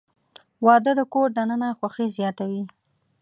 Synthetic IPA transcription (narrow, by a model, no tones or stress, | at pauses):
wɑd̪əd̪əkoɾd̪anənaxwaxizjɑt̪awi